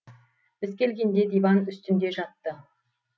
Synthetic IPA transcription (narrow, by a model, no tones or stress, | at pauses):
bɪzkʲʰe̞lɡʲe̞nd̪e̞d̪ʲivɑnʏst̪ɪnd̪e̞ʒɑt̪ːə